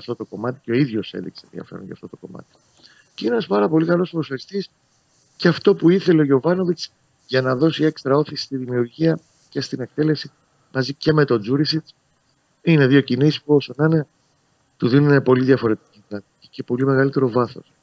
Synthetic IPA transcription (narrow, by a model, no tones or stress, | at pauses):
ɐft̪o̞t̪o̞ko̞mɐt̪i̥ceo̞iðʝo̞sḛðḭksḛnðḭɐ̰fe̞ɾonʝɐ̰ft̪o̞t̪o̞to̞mɐ̰t̪i̥ | ceinenɐspɐɾɐpo̞likɐlo̞sɾosɐɾist̪is | ceɐft̪o̞puiθe̞leoʝo̞vɐno̞vit͡s | ʝɐnɐðo̞sie̞kst̪ɾɐo̞θisi̥st̪iðimiuɾʝiɐ | ce̞st̪ine̞k̚t̪e̞le̞si | mɐzice̞me̞t̪o̞d͡zuɾisit͡s | ine̞ðio̞cinisi̥puo̞sonɐne | t̪uðinunepo̞liðʝɐfo̞ɾe̞t̪i̥citɾɐt̪ici̥ce̞po̞lime̞ɣɐlit̪e̞ɾo̞vɐθo̞̰s